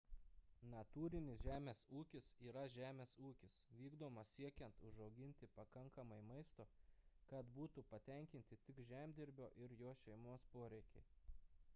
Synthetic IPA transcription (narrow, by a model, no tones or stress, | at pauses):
nɐt̪uːɾʲɪnʲɪsʒʲæːmʲeːsuːkʲɪsiːɾɐʒʲæːmʲeːsuːkʲɪsʋʲiːɡd̪oːmɐsʲsʲiɛkʲɛnt̪ʊʒɒʊɡʲɪnʲt̪ʲɪpɐkɐŋkɐmɐɪmɐɪst̪oːkɐt̪buːt̪upɐt̪ʲɛŋʲkʲɪnʲt̪ʲɪt̪ʲɪkʒʲæːmʲd̪ʲɪɾʲbʲoːʔɪɾjoːʃʲɛɪmoːspoːɾʲɛɪkʲɛɪ